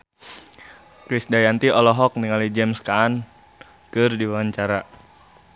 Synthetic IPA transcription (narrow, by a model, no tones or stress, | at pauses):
kɾisdajant̪iʔɔlɔɦɔk̚niŋalid͡ʒɛmskaːn | kɨrdiwaɲt͡ʃaɾa